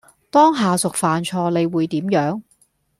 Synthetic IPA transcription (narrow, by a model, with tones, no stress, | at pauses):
t̪ɔː˥ŋɦaː˨sʊ˨k̚faː˨nt͡ʃʰɔː˧le˨˧jwuː˨˧jt̪iː˨˥mjœː˨˥ŋ